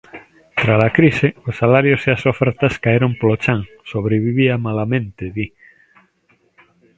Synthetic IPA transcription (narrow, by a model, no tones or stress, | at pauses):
t̪ɾalakɾiseosːalaɾjosiasofɛɾt̪askaeɾompolot͡ʃaŋ | soβ̞ɾeβiβiamalamẽnt̪eði